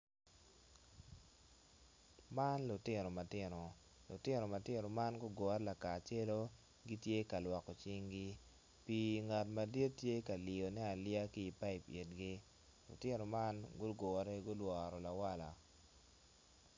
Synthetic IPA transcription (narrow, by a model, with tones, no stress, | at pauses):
ma˦nlʊ˨tɪ˦no˨ma˨tɪ˦no˨ | lʊ̰˨tɪ˦no˨ma˨tɪ˦no˨ma˦nɡʊ˦ɡɔ˨˦ɾɛ˦la˨ka˨t͡ʃe˦lo˦ | ɡi˦tje˦ka˨lwɔ˨kɔ˨t͡ʃɪ˦ŋɡɪ˦ | pi˨ŋa˨tma˨di˦tːje˦ka˨li˨o˨nɛ˦a˨lɪa˦kiː˦˨pa˦ɪ˨pe˨tɡɪ˦ | lʊ̰˨tɪ˦no˨ma˦nɡʊ˦ɡɔ˨ɾɛ˦ɡʊ˦lwɔ˨ɾɔ˨la˨wa˦la̰˨